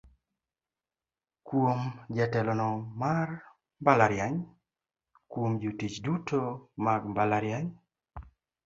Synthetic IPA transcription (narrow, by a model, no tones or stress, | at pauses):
kwomd͡ʒatɛlɔnɔmar | mbalaɾjaɲ | kwomd͡ʒutit͡ʃdutʰomaɡmbalaɾjaɲ